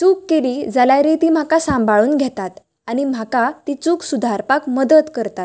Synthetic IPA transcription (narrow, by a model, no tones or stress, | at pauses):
t͡suːkːeliːd͡zalajɾet̪iːm̤akasãmbʱaɭuːnɡʱɛt̪at̪ | añim̤akat̪it͡suːksud̪ʱaɾpakməd̪ət̪kəɾt̪at̪